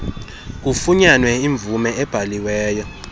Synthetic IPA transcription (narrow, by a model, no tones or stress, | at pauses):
k̬ufuɲanwɛiɱb̪vumɛɛb̥ʱaliwɛːjɔ